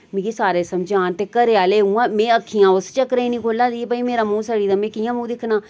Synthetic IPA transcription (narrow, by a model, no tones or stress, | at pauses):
mĩːkisaːɾeːsəmd͡ʒaːnt̪eːkəɾeːaːleːɦũːãːmẽːəkʰːijãːʊst͡ʃəkɾeĩːnĩːkʰoːlãːd̪ipaːiːmeːɾaːmũːsaːɽiːd̪əmẽːkiːãːmũːd̪ɪkʰːnaː